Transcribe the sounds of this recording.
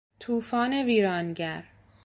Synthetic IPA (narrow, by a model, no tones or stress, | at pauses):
t̪ʰuːfɒːneviːɾɒːnɟæɾ